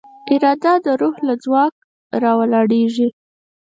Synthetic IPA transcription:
ɪɾɑd̪ad̪əɾuhlad͡zwɑk̚ | ɾɑwəlɑɽeʒi

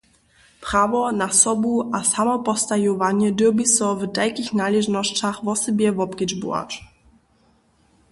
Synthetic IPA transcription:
pɾavɔnasɔbuʔasamɔpɔst̪ajɔvaɲɛdɨbisɔvdajkixnalɛʒnɔɕt͡ɕaxvɔsɛbjɛvɔpkʲɛd͡ʒbṵa̰t͡ʃ

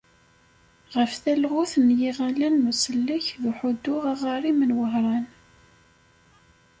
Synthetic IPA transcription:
ʁəfθælʁʊθnjiʁalænːusəlːəçðuħʊd̪ːʊʁaʁɑɾˤimənwəɦɾˤɑn

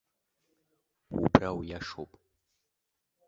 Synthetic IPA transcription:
ṵbrawjaʂopʼ

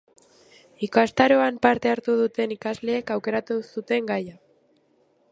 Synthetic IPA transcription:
ikast̪aɾo̞ampaɾt̪e̞aɾt̪uð̞ut̪e̞nikazle̞ːkawke̞ɾat̪usut̪e̞ŋɡaja

